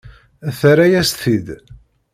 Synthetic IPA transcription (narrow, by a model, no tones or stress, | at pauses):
θɾæjæsθid̪